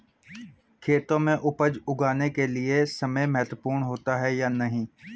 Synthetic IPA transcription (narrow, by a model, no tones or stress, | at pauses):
kʰeːt̪õmẽʔʊpəd͡ʒʊɡʱaːnekelɪesɐməjmɛɦt̪wəpuːɾɳɦoːt̪aɦɛjaːnɐɦĩː